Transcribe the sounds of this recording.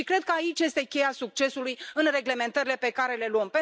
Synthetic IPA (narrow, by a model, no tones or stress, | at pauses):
ikɾe̞d̪̚kəait͡ʃje̞st̪e̞kʲe̞jasuk̚t͡ʃe̞sulujɨnre̞ɡle̞me̞nt̪əɾile̞pe̞kaɾe̞le̞luəmpe